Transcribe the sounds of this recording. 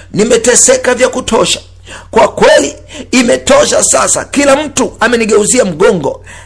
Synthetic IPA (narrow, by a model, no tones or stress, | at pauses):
nimɛtɛsɛkavjakutʰɔʃḁ | kwakwɛliːmɛtɔʃasasa̰kilam̩tuamɛniɠɛuziam̩ɠɔŋɡɔ̰